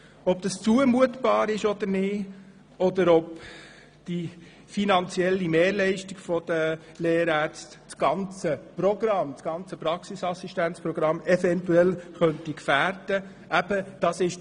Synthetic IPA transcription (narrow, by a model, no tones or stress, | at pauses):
ɔbd̥̪ɑst͡suəmuət̪b̥ɑːɾɪʃɔd̪əɾnɪː | ɔd̪əɾɔp | d̪̥i | finɑnt͡sjɛlːimeːɾlɛɪʃtiɡ̥fɔd̥̪ə | leːɾæːɾt͡stt͡sɡ̥ɑnt͡səprɔɡ̥ɾɑmt͡sɡ̥ɑnt͡səpɾɑksisɑsiʃtænt͡spɾɔɡ̥ɾɑmːɛfɛnt̪uɛlχœnt̪ikfæːɾd̥ə | æb̥əd̥ɑsɪʃ